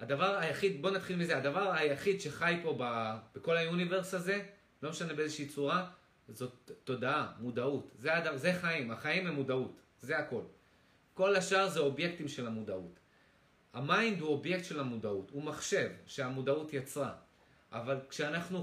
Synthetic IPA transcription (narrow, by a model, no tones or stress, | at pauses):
ad̪avaʁajaχid̪bo̞nat̪χilmizeadavaʁajaχid̪ʃe̞χajpo̞bab̥eko̞lajunive̞ʁsaze̞ | lo̞meʃanebe̞ezeʃiːt͡suʁa | zo̞tːo̞daamudautzeadazeχaimaχaimemːudaut | ze̞ako̞l | ko̞laʃaʁzeo̞bje̞k̚timʃe̞lhamudaut | hamajnd̪huobje̞kt̪ʃe̞lhamudautumaχʃe̞vʃe̞amudaut̪jat͡sʁa̰ | ʔavalkʃeanaχnu